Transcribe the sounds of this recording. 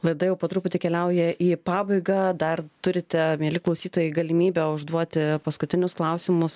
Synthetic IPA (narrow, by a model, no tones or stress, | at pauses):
lˠɐɪd̪ɐjɛʊpoːt̪ɾʊːpʊt̪ʲɪkʲɛlʲɛʊjɛʔiːpɑːbɐɪɡɐd̪ɐrt̪ʊɾʲɪt̪ʲɛmʲiɛlʲɪklˠɐʊsʲiːt̪oːjɛɪɡɐlʲɪmʲiːbʲɛʊʒd̪uɔt̪ʲɪpɐskʊt̪ʲɪnʲʊsklˠɐʊsʲɪmʊs